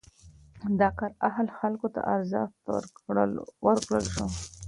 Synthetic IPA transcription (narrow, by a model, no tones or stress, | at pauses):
d̪ɑqaɾahlxalkot̪a̰ʔaɾzɑ̰xt̪ | wəɾkɽəlʃo